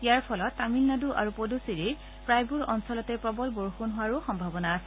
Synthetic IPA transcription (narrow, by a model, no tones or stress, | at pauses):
ijaɹpʰɔlɔtːamilnaduʔa̰ɹupodusiɹe | pɹajbuɹɔnsɔlɔtɛpɹɔbɔlboɹxunɦʊwaɹuxɔmbʱabɔnaːsɛ